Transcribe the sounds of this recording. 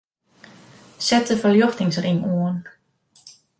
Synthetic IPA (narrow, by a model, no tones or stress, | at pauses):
sɛtəfəljoxtɪŋsrɪŋuən